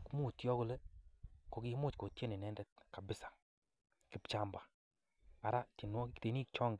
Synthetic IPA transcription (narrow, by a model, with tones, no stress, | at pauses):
kmu˦˨tjɔ˦kʊ˦lɛ˦ko˨ki˦mʊ˦˨t͡ʃko˨tje˦ne˨nɛ˦ndɛ˦tka˨bɪ˦sḁ˨ | kɪ˨pt͡ʃa˦mba˨ | a˨ɾa˦ti˨nwɔ˦te˨˦ni˦kt͡ʃɔ˦ŋɡ